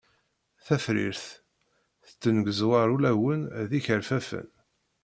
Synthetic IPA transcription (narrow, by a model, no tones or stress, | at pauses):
θæfɾḭɾθ | θə̥t͡s̪ːənɡəzwɑɾˤulæwənðiçəɾfæfə̰n